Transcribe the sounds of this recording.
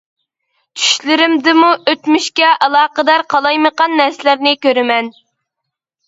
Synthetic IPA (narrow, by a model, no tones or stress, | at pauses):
t͡ʃʰy̥ʃlɪɾɪmd̪ɪmuʔøt̪myʃkʲɛʔɑlˠɑːqəd̪ɑɾqʰɑlˠɑjməqɑnːɛɾsɪlæɾnɪkʲøɾɪmɛn